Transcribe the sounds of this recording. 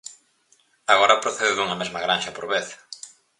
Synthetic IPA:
aɣoɾɐpɾoθeðɪðuŋɐmezmɐɣɾanʃɐpoɾβeθ

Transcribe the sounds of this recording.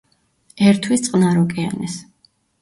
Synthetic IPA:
ɛɾt̪ʰwist̪sʼqʼnaɾɔkʼɛa̰nɛs

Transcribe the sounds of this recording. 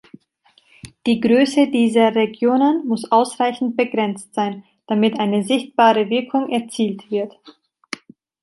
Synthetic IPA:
d̥iːɡʁøːsədiːzɐʁeɡjoːnənmʊsʔaʊsʁaɪçn̩t̚b̥əɡʁɛnt͡stz̥aɪn | d̥amɪtʔaɪnəzɪçt̚b̥aːʁəvɪɐkʰʊŋʔɛɐt͡siːltv̥ɪɐt

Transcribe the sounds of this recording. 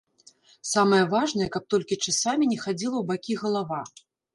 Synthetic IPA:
samɐjɐvaʐnɐjɐkɐp̚t̪ɔlʲkʲit͡ʂasamʲinʲɛxad͡zʲilˠɐwbakʲiɣɐlˠava

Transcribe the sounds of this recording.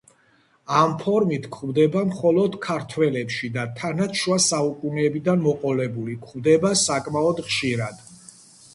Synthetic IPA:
ampʰɔɾmit̪ʰkʰvd̪ɛbamχɔlɔd̪kʰaɾt̪ʰwɛlɛpʃid̪at̪ʰanaʃwasaukʼunɛːbid̪anmɔqʼɔlɛbulikʰvd̪ɛbasakʼmaɔd̪χʃiɾad̪̥

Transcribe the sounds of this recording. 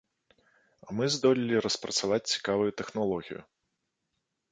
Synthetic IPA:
amɨzd̪ɔlʲilʲiɾɐspɾɐt̪savat͡sʲt͡sʲi̥kavujut̪ɛxnalˠɔɣʲḭjṵ

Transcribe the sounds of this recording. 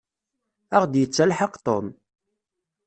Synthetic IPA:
əʁd̪jət͡sːælħəqt̪ˤo̰m

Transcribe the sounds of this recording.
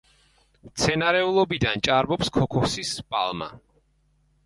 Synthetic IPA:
mt̪sʰɛnaɾɛulˠɔbid̪ant͡ʃʼaɾbɔpskʰɔkʰɔsispʼa̰lˠma̰

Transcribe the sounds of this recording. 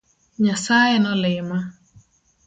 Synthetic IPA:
ɲasajɪnɔlɪma

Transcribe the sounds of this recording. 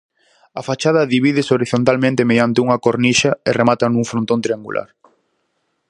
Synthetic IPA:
ɐfat͡ʃaðɐðiβiðɪsoɾiθont̪almẽnt̪emeðjant̪ɪuŋɐkoɾniʃɐeremat̪ɐnũŋfɾont̪õnt̪ɾiaŋɡṵlʔa̰ɾ

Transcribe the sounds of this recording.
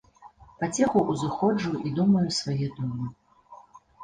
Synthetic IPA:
pat͡sʲɛxuʔːzɨxɔd͡ʐuid̪umɐjusvajɛd̪ɔmɨ

